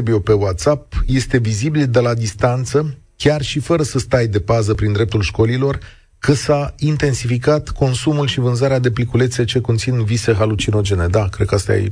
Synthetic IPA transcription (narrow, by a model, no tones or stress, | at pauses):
bijepe̞wat̪sap̚je̞st̪e̞vizibild̪e̞lad̪ist̪ant̪səkʲarʃifəɾəsəst̪ajd̪e̞pazəpɾind̪ɾe̞p̚t̪ulʃko̞lilo̞r | kəsaint̪e̞nsifikat̪ko̞nsumulʃivɨnzaɾead̪e̞plikule̞t̪se̞t͡ʃe̞ko̞nt̪sinvise̞ɦalut͡ʃino̞d͡ʒe̞ne̞d̪akɾe̞d̪̚kəast̪a̰jḛ